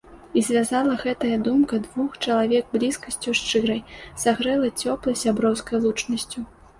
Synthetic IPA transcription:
izʲvʲazalˠɐɣɛt̪ɐjɐd̪umkɐd̪vuxt͡ʂɐlˠavʲɛɡ̚blʲiskɐsʲt͡sʲuʂt͡ʂɨɾɐjsaɣɾɛlˠɐt͡sʲɔplˠɐjsʲabɾɔwskɐjlˠut͡ʂnɐsʲt͡sʲu

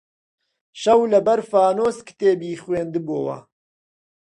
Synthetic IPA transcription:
ʃɐwlɐbɐɾfaːnoːskɨ̥t̪eːbiːχweːnd̪ɨboːwɐ̰

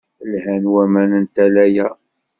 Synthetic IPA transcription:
əlhænwæmænənt̪ælæjæ

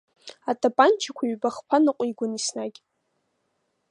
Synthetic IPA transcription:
atʼapʼant͡ʃʰakʷʰaɥbaχpʰanɨqʷʼiɡʷʊnisnaɡʲ

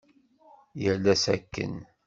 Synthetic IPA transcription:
jəlæsæ̰kːə̰n

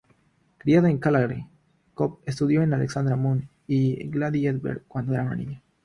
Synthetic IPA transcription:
kɾiaðoeŋkalaɣɾi | kop̚es̬t̪uðjo̞enaleksand̪ɾamun | iɡlaðied̪bḛɾkːwand̪oeɾana̰nḭɲa

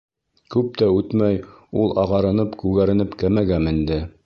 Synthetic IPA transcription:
kʉp̚t̪æʉt̪mæjulˠɑʁɑɾɤ̆nɤpkʉɡæɾɘ̆nɘpkæmæɡæmind̪ɘ

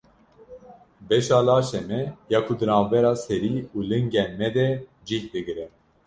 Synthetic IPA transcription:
bɛʃɑːlɑːʃɛmɛjɑːkʰud̪ɨnɑːvbɛɾɑːsɛɾiːuːlɨŋɡɛnmɛd̪ɛ | d͡ʒihd̪ɨɡɨɾɛ

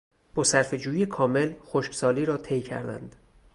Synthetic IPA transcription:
b̥ɒːsæɾfe̞d͡ʒuːjiekʰɒːme̞lxoʃksɒːliːɾɒːt̪ʰejcʰæ̰ɾd̪æ̰nd̪̥

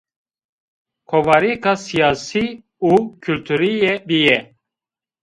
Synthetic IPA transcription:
kʰovaɾikasijaːsi | ukʰylt̪ʰyɾijɛbijɛ

